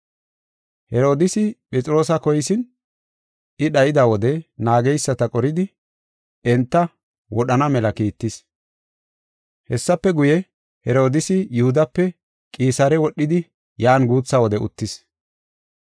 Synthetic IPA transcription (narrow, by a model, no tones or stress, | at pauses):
hɛɾo̞ːd̪ɪsɪpʼɛt͡sʼɪɾo̞ːsɐkɔjsɪn | ʔɪɗɐjɪd̪awɔd̪ɛnaːɡɛjsːɐt̪ɐkʼɔɾɪd̪ɪ | ɛnt̪ːɐ | wɔɗɐnɐmɛlɐkiːt̪ːɪs | hɛsːɐpːɛɡʊjɛ | hɛɾo̞ːd̪ɪsɪjʊhʊd̪ɐpːɛ | kʼiːsaːɾɛwɔɗːɪd̪ɪ | jaːnɡuːt͡sːɐwɔd̪ɛʔʊ̰t̪ːɪs